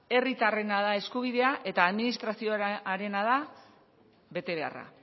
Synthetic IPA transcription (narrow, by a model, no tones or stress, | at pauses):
e̞rit̪are̞naðae̞skuβ̞iðe̞aʔe̞t̪aːðminist̪ɾasioaɾe̞nað̞a | βe̞t̪e̞β̞e̞a̰ra̰